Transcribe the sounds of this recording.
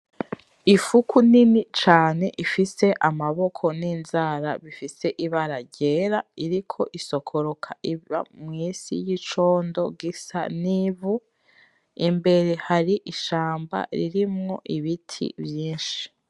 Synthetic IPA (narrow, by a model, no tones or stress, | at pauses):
ifukuninit͡ʃaːne̞ʔifise̞ʔamaβo̞kʰo̞niːnzaːɾa̰βifise̞ʔiβaɾaɟeːɾaiɾikʰo̞ʔiso̞kʰoɾokʰaʔiβa̰mŋiːsḭjit͡ʃo̞ːndo̞̰ɡisa̰nivu | imbe̞ɾe̞haɾiʔiʃaːmba̰ɾḭɾimŋo̞ʔiβitʰḭβjiːnʃi̥